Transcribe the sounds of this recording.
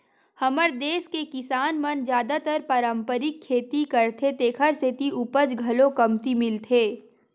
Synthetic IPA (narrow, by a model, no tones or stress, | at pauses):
hɐməɾd̪eːskekɪsaːnmənd͡ʒjaːd̪at̪əɾpəɾə̃mpəɾɪkʰːeːt̪ikɐɾt̪ʰet̪eːkʰəɾset̪iʔupəd͡ʒɡʱɐlõkɐmt̪imɪlt̪ʰeː